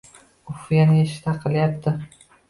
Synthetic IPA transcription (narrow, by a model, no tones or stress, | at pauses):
ʊfjanjeʃɪ̥t̪ʰaqʰɨlˠjap̚t̪ʰɪ